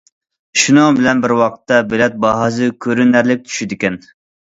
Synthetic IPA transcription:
ʃunɨŋbɪlɛnbɪɾwɑqʰə̥t̪ʰːɑbelɛt̪̚bɑɦɑzɨkʲʰøɾynæɾlɪk̚ʲt͡ʃ̪ʰy̥ʃid̪ɪkʲɛn

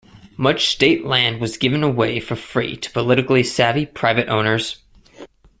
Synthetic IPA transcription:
mʌt͡ʃsteɪʔˡlæ̃nd̚wʌzɡɪvɨ̃nəweɪfə˞fɹḭtʰə̥pʰəlɪɾɨkl̩ˠisævipʰɹ̥aɪvɨɾʔõ̰ʊ̃nə˞z̥

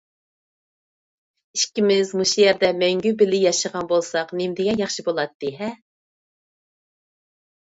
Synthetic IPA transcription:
iʃkʲimɪzmuʃijɛɾd̪ɛmɛŋɡʲybɪlɪjɑʃəʁɑnbolˠsɑqnemd̪ɪɡʲɛjɑχʃibolˠɑt̪ːɨɦɛ

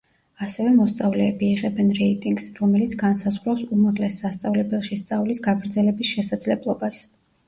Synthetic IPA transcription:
asɛvɛmɔst̪sʼavlɛːbiːʁɛbɛnɾɛit̪ʼiŋɡsɾɔmɛlit̪sʰɡansazʁɾafsumaʁlɛsːast̪sʼavlɛbɛlˠʃist̪sʼavlisɡaɡɾd̪zɛlɛbisʃɛsad̪zlɛblˠɔbas

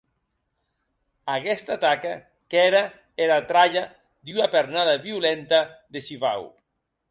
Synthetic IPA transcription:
aɣɛst̪at̪aka | kɛɾa | eɾat̪ɾaʎa | d̪iunapeɾnaðaβiulɛnt̪aðeʃiβa̰w

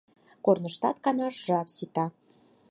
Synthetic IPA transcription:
kornə̆ʃt̪ɑt̪kɑnɑʃʒɑpsit̪ɑ

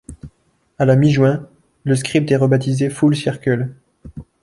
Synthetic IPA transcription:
alamiʒwɛ̃ | ləs̬kχip̚t̪ɛʁəbat̪izefulsiʁkʲyl

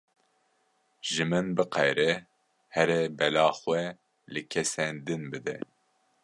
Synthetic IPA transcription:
ʒɨmɨnbɨqɛjɾɛ | hɛɾɛbɛlɑːxwʷɛ | lɨkʲʰɛsɛnd̪ɨnbɨd̪ɛ̰

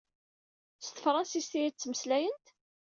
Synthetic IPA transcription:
st̪ə̥fɾˤɑsist̪iit͡sːməslæjənt̪

